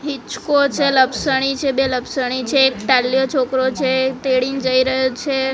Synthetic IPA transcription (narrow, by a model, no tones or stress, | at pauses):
ɦit͡ʃkot͡ʃʰeləbsəɽ̃it͡ʃʰebeləbsəɽ̃it͡ʃʰeːkʈalːjot͡ʃʰokɾot͡ʃʰet̪eɽind͡ʒəiɾəɦot͡ʃʰe